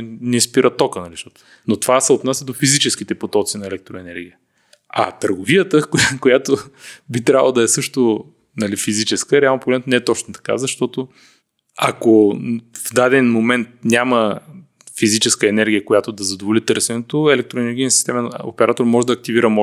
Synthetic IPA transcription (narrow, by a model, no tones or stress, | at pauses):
nɛspiɾʔɐt̪ɔkənɐliʃt̪ɔt̪ | not̪ovasɛot̪nasʲəd̪ofizit͡ʃɛsk̟it̪ɛpot̪ɔt̪sinɐɛlɛk̚t̪ɾoɛnɛɾɡʲijə | a̰t̪əɾɡovijət̪əkkojat̪obit̪ɾʲavə̰lˠəd̪ɐɛsɤʃt̪o | nɐlifizit͡ʃɛskəɾɛalˠnopɾoɡlɛt̪nɛɛt̪ɔt͡ʃnot̪ɐ̥ka̰zɐʃt̪ɔt̪o | akovd̪ad̪ɛnmomɛnt̪̚nʲamə | fizit͡ʃɛskəɛnɛɾɡʲijəkojat̪oʊd̪ɐzɐd̪ovolit̪ɤɾsɛnɛt̪oɛlɛk̚t̪ɾoɛnɛɾɡʲinəsi̥st̪ɛməno̰pɛɾat̪oɾmɔʒɛd̪ɐːk̚t̪iviɾəmɔ